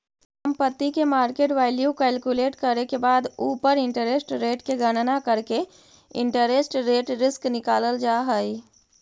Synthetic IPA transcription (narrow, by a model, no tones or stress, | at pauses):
səmpət̪ːikemaːɾkeːʈʋaːɪljukɛlkuleːʈkəɾekebaːd̪uːpəɾɪ̃ɳʈəɾesʈɾeːʈkeɡəɽ̃nakəɾke | ɪ̰̃ɳʈəɾesʈɾeːʈɾɪsknɪkaːləld͡ʒaɦəi